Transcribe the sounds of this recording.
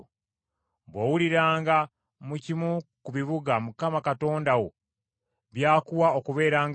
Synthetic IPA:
βwowuliɾaːŋɡa | mucimukuβiβuɡamukamakato̞ːndawo | βjaːkuwaokuβe̞ːɾaːŋ

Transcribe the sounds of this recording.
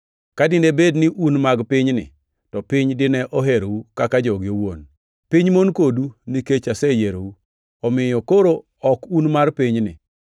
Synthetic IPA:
kadɪnebednɪʔunmaɡpɪɲnɪ̰ | tɔpɪɲdɪnɛʔɔɦeɾowukakad͡ʒɔɡɪowo̰n | piɲmonkoduniket͡ʃasɛjeɾou | ɔmɪjɔkoɾo | ɔkunmarpɪɲnɪ̰

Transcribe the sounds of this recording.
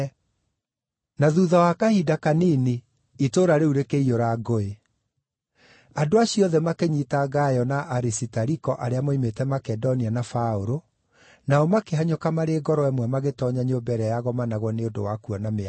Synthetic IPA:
naðuðawakahidakanini | itoːɾaɾeuɾekeioɾaɡoe | adoaɕiɔðɛmakeɲitaɡajɔnaʔaɾisitaɾikɔʔaɾeamoimetɛmakɛdɔnianafaoɾo | naɔmakeɦaɲokamaɾeɡɔɾɔɛmwɛmaɣetɔːɲaɲobɛɾɛjaɣɔmanaɣwɔneodo̰wakuɔname

